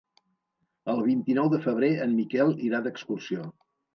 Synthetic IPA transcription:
əlˠβ̞int̪inɔwðəfəβ̞ɾeəmːikɛlˠiɾaðəkskursio

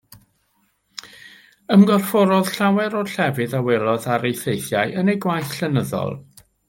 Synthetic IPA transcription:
əmɡɔrfɔɾɔð̥ɬawɛɾɔɬɛvɨðawɛlˠɔðaɾejθejθjajʔənejɡwajθɬənəðɔ̰lˠ

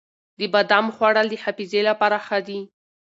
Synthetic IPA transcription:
d̪əbad̪amxwaɽald̪əhafizelapaɾaxad̪i

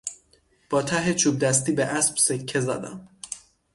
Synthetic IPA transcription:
b̥ɒːt̪ʰæɦet͡ʃʰuːb̚d̪æs̬t̪iːbeʔæsb̥sekʰːe̞zæ̰d̪æ̰m

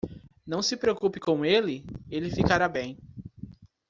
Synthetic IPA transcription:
nɐ̃w̃sɪpɾeokupɪkõw̃elɪelɪfikaɾabẽj̃

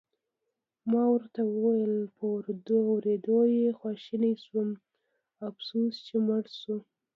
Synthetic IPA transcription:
mɑwəɾt̪awəwajəlpəʊɾd̪oawɾed̪ojexwɑʃinajswum | afsust͡ʃeməɽsu

